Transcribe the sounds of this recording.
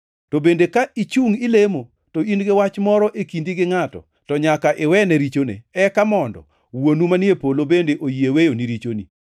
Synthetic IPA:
tobendekait͡ʃuŋɪlemo | toinɡɪwat͡ʃmɔɾɔʔekindiɡɪŋatɔ̰ | tɔɲakaʔɪwɛnɛɾit͡ʃonḛɛkamɔndɔ̰ | wonumanɪepolobendeʔojiewejoniɾit͡ʃonḭ

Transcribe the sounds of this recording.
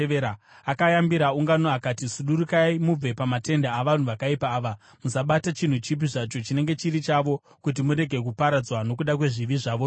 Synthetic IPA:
eɾaakajambiɾauŋɡanoakaːtisuɗuɾukaimub͡ve̞pamate̞ndaːʋan̤uʋakaipaːʋa | musaɓatat͡ʃin̤ut͡ʃip̬iʐat͡ʃo̞t͡ʃine̞ŋɡe̞t͡ʃiɾit͡ʃaʋo̞ | kut̬imuɾe̞ɡʱe̞kupaɾad͡zwano̞kuɗak̬we̞ʐiʋiʐaːʋo

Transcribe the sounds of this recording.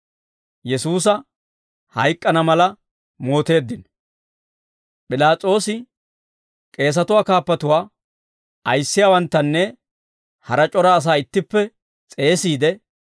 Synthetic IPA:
jɛsuːs̬ɐ | hɐjkʼːɐnɐmɐlɐ | mo̞ːt̪e̞ːd̪ːɪn | pʼɪlaːt͡sʼo̞ːsɪ | kʼe̞ːs̬ɐt̪ʊwaːkaːpːɐt̪ʊwaː | ɐjsːɪjaːwɐnt̪ːɐnːɛ | hɐɾɐt͡ʃʼɔɾaːs̬aːɪt̪ːɪpːɛ | t͡sʼe̞ːsiːd̪ɛ

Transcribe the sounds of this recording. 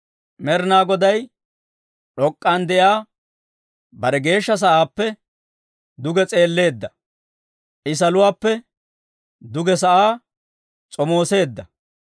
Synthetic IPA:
mɛɾnaːɡɔd̪ɐj | ɗɔkʼːand̪ɛjaː | bɐɾɛɡe̞ːʃːɐs̬ɐʔaːpːɛ | d̪ʊɡɛt͡sʼe̞ːlːe̞ːd̪ːɐ | ʔɪs̬ɐlʊwaːpːɛ | d̪ʊɡɛs̬ɐʔaː | t͡sʼɔmo̞ːse̞ːd̪ːɐ

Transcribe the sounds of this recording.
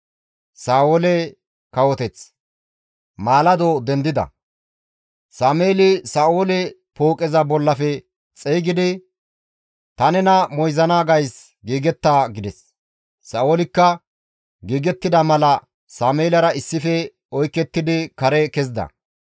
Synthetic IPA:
saːoːlɛ | kɐwɔt̪ɛt͡s | maːlɐd̪oːd̪ɛnd̪ɪd̪ɐ̰ | saːmeːlɪsaːoːlɛpoːkʼɛzɐbɔlːɐfɛ | t͡sʼɛjɡɪd̪ɪ | t̪ɐnɛnɐmɔjzɐnaːɡɐjs | ɡiːɡɛt̪ːaːɡɪd̪ɛsː | ɐːʔoːlɪkːɐ | ɡiːɡɛt̪ːɪd̪ɐmɐlɐ | saːmeːlɐɾɐɪsːɪfɛ | ɔjkːɛt̪ːɪd̪ɪkɐɾɛkɛzd̪ɐ̰

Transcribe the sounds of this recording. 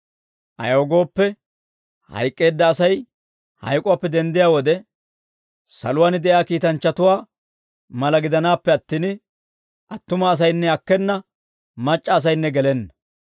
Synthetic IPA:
ʔɐ̰joːɡo̞ːpːɛ | hɐ̰jkʼːe̞ːd̪ːɐːsɐj | hɐ̰jkʼʊwaːpːɛd̪ɛnd̪ɪjaːwɔd̪ɛ | sɐ̰lʊwaːnɪd̪ɛjaːkiːt̪ɐnt͡ʃːɐt̪ʊwaː | mɐlɐɡɪd̪ɐnaːpːɛɐt̪ːiːn | ʔɐt̪ːʊmɐːs̬ɐjnːɛɐkːɛnːɐ | mɐt͡ʃʼːɐːs̬ɐjnːɛɡɛlɛnːɐ

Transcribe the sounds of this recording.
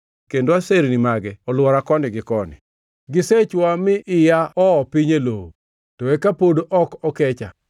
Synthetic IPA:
kendoaseɾnimaɡɛɔlwɔɾakɔnɪɡɪkɔnɪ̰ | ɡɪset͡ʃwamɪʔɪjaɔɔpiɲeloo | tɔekapodoʔɔkɔkɛt͡ʃa

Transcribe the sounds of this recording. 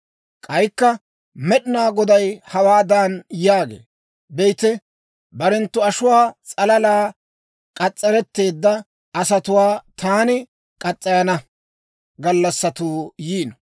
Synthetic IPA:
kʼɐjkːɐ | mɛɗɪnaːɡɔd̪ɐjhɐwaːd̪aːnjaːɡḛː | bɛjt̪ɛ | bɐɾɛnt̪ːʊɐʃʊwaːt͡sʼɐlɐlaː | kʼɐt͡sʼːɛɾɛt̪ːe̞ːd̪ːɐ | ɐsɐt̪ʊwaːt̪aːnɪ | kʼɐt͡sʼːɐjɐnɐ | ɡɐlːɐsːɐt̪uːjiːnɔ

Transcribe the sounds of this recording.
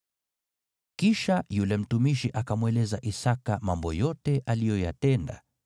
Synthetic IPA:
kiʃajulɛm̩tumiʃiʔakamwɛlɛzaʔisakamambɔjɔtɛʔalijɔja̰tɛnda̰

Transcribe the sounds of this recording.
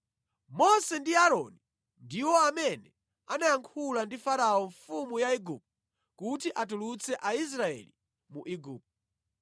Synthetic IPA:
mɔsɛndiaɾɔni | ndiwɔamɛnɛ | anajaŋkʰulandifaɾaɔɱfumujaiɡup̚t | kutiʔatulut͡sʰɛʔais̬ɾaɛ̰li | muʔiɡuːp̚t

